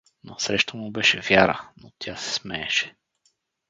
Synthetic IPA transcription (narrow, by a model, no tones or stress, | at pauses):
no̰sɾɛʃt̪əmʊbɛʃɛvjaɾənot̪ʲʰasɛ̥smɛːʃɛ̥